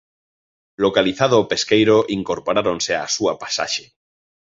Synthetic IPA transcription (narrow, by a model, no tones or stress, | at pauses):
lokaliθaðoːpeskejɾoʔiŋkoɾpoɾaɾonsea̰suapḁsa̰ʃe